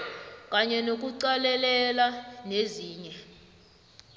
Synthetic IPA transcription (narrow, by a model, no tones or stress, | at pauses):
kʼaɲɛnok̬ʼuǀalɛlɛlaneziːɲɛ